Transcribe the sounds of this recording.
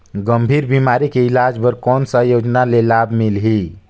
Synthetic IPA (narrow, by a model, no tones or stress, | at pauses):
ɡəmbʱiːɾbimaːɾikeilaːd͡ʒbəɾkɔːnsəjod͡ʒnalelabʱmilɦi